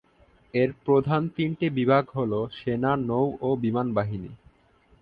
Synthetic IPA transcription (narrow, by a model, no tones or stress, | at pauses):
eɾpɾod̪ʱant̪iɳʈibibʱaɡɦoloʃenanowobimanbaɦinḭ